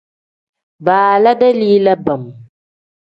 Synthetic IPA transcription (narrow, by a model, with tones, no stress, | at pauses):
baː˨la˦da˦liː˦la˦ba˨m˨